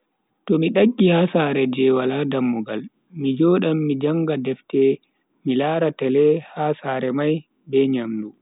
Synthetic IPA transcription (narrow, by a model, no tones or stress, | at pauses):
tɔmiɗaɡʲːihasaːɾɛd͡ʒɛwaladamːuɡal | mid͡ʒɔːɗamːid͡ʒaŋɡadɛftɛ | milaɾatɛlɛhasaːɾɛmaj | bɛɲamdu